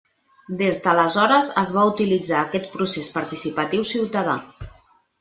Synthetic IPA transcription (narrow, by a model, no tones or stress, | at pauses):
d̪ezðələzɔɾəzəzβaut̪ilid͡zaːkɛt̪̚pɾusespaɾt̪isipət̪iwsiwt̪að̞a̰